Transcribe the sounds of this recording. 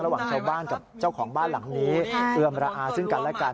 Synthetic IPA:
ɾa˧waː˨˩ŋt͡ɕʰa˦˥˩wbaː˥˩nka˨˩p̚t͡ɕa˥˩wkʰɔː˩˦ŋbaː˥˩nla˩˦ŋniː˦˥ʔɯ˧əmɾaː˧ʔaː˧sɯ˥˩ŋka˧nlɛ˦˥˩kaː˧

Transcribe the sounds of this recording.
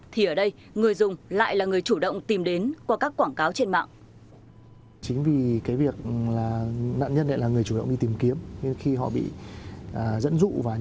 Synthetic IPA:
t̪ʰi˨˩ʔəː˧˩ɗə˧j | ŋɨ˨˩əjzʊ˨˩ŋ͡mla̰ː˧˨jlaː˨˩ŋɨ˨˩əjt͡ɕu˧˩ɗə̰˧˨wŋ͡mt̪i˨˩mɗe˨˦nkwa˧˩kaː˦˥kːwaː˧˩ŋkaː˨˦wt͡ɕe˧nma̰ː˧˨ŋʔ | t͡ɕï˨˦ŋ̟vi˨˩kaː˨˦jvi˨˩ək̚laː˨˩na̰ː˧˨nɲə˧nʔə̰˧˨jlaː˨˩ŋɨ˨˩ət͡ɕu˧˩ɗə̰˧˨wŋ͡mɗi˧t̪i˨˩mki˨˦əmɲe˧nxi˧ɦɔ̰˧˨ɓḭ˧˨ʔəː˨˩zə̰˧˥nzṵ˧˨vaː˨˩

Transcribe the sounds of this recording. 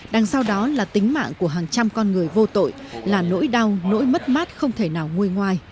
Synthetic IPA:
ɗa˨˩ŋsa˧wɗɔ˨˦laː˨˩t̪ï˨˦ŋ̟ma̰ː˧˨ŋku˧˩əɦaː˨˩ŋt͡ɕa˧mkɔ˧nŋɨ˨˩əjvo˧t̪o̰˧˨jlaː˨˩no̰˧˥jɗa˧wno̰˧˥jmə˦˥t̚maː˦˥t̚xə˧wŋ͡mt̪ʰe˧˩naː˨˩wŋu˧əjŋwaː˧j

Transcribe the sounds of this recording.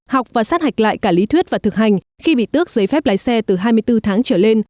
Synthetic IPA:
ha˨˩wk͡p̚vaː˨˩saː˦˥t̚ha˨˩jk̚la̰ː˧˨jkaː˧˩li˨˦t̪ʰwi˦˥t̚vaː˨˩t̪ɨ˨˩k̚ha˨˩jŋ̟ | xi˧ɓḭ˧˨t̪ɨ˦˥ək̚zə˨˦jfɛ˦˥p̚laː˨˦jsɛ˧t̪ɨ˨˩ɦaː˧jmɨ˧əjt̪ɨ˧t̪ʰaː˨˦ŋt͡ɕəː˧˩le˧n

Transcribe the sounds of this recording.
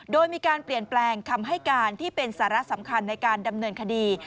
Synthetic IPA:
doː˧jmiː˧kaː˧npli˨˩ənplɛː˧ŋkʰa˧mɦa˥˩jkaː˧nt̪ʰiː˥˩pe˧nsaː˩˦ɾa˦˥sa˩˦mkʰa˧nːa˧jkaː˧nda˧mnɤː˧nkʰa˧diː˧

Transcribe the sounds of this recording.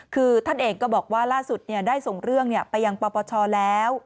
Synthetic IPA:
kʰɯː˧t̪ʰa˥˩nʔeː˧ŋkɔː˥˩bɔː˨˩k̚waː˥˩laː˥˩su˨˩t̪̚ni˥˩ədaː˥˩jso˨˩ŋɾɯ˥˩əŋni˥˩ɐpa˧jːa˧ŋpɔː˧pɔː˧t͡ɕʰɔː˧lɛː˦˥w

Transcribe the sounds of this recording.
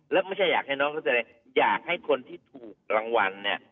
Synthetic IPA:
lɛː˦˥wma˥˩jt͡ɕʰa˥˩jaː˨˩k̚ha˥˩jnɔː˦˥ŋkʰːsʰa˧j | jaː˨˩k̚ha˥˩jkʰo˧nt̪ʰiː˥˩t̪ʰuː˨˩k̚ɾa˧ŋwa˧nːi˥˩ɐ

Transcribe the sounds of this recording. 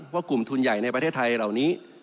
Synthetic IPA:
waː˥˩ku˨˩mt̪ʰu˧nja˨˩jna˧jpɾa˧tʰeː˥˩t̪ʰa˧jɾa˨˩wniː˦˥

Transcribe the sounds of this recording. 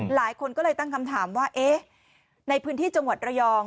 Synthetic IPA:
laː˩˦jkʰo˧nkɔː˥˩lɤː˧jt̪a˥˩ŋkʰa˧mt̪ʰaː˩˦mwaː˥˩ʔeː˦˥ | na˧jpʰɯː˦˥nt̪ʰiː˥˩t͡ɕa˧ŋwa˨˩t̪̚ɾa˧jɔː˧ŋ

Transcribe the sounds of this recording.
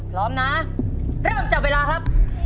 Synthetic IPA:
pʰɾɔː˦˥mna˦˥ɾɤː˥˩mt͡ɕa˨˩weː˧laː˧kʰɾa˦˥p̚

